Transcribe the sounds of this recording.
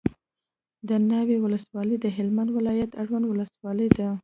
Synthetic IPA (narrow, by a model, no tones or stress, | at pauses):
d̪ənawewʊləswɑləjd̪əɦɪlmand̪wɪlɑjat̪aʐwand̪wʊləswɑləjd̪a